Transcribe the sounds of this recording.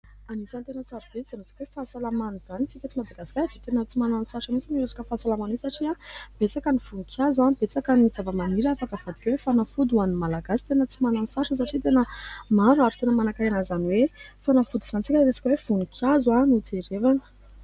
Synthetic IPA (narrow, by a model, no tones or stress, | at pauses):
anisant̪enəsaɾub̥eiz̥anosḁkwefasalamanuz̥anit͡sikʲat͡simad̪aɡasi̥kʲad̪et̪enət͡simananisaʂəmit͡simiɾesḁkəfasalamanisaʈ͡ʂiab̥et͡sakəniv̥unikʰjazanbet͡sakənizavəmaniɾaafakəv̥ad̪ikʲwefanafud̪uanimalaɡasi̥t̪enət͡simananusaʂəs̬aʈ͡ʂit̪enəmaɾuaʈ͡ʂu̥t̪enəmanakajanazanwefanafud̪uzant͡sikʲəɾesḁkwev̥unikʰʲjazwanut͡seɾevanə̥